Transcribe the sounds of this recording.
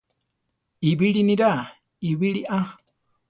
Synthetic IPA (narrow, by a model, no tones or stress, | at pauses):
iβiɺiniɾa | iβiɺiʔa